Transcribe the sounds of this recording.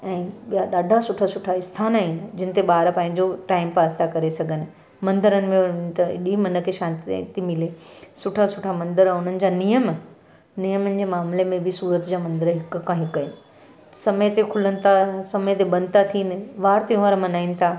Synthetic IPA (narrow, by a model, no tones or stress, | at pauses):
ɛ̃ːɓijaɗaːɖʱasʊʈʰasʊʈʰaɪst̪ʰaːnaːɦinɪd͡ʑɪnɪ̆t̪eɓaːɾpɐ̃ɦɪ̃ɲ̆d͡ʑoʈaːɪmpaːst̪ʰakɐɾesɐɡʱənɪ̆ | mɐ̃nd̪əɾənɪ̆mẽʊɪ̆t̪ɐ̰ɗimɐnə̆kʰeʃãːnt̪t̪imɪlesʊʈʰasʊʈʰamɐ̃nd̪əɾɛʊn̤ənɪ̆d͡ʑaːnijəm | nijəmənɪ̆d͡ʑeːmaːmlemẽbʱɪsuːɾət̪d͡ʑaːmɐ̃nd̪əɾɦɪkkãɦɪkəɪn | sɐmət̪ekʰʊlənɪ̆t̪ʰasɐməjt̪eɓɐ̃nt̪ʰat̪ʰiːnɪ̆ʋaːɾt̪eũʋaːɾmɐnaːinɪ̆t̪ʰaː